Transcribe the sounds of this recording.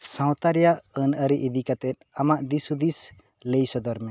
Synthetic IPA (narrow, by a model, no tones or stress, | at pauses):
sãwt̪aɾijaənəɾiʔid̪ikat̪ɛt̪̚amaʔd̪isud̪is | lejsɔd̪ɔɾmɛ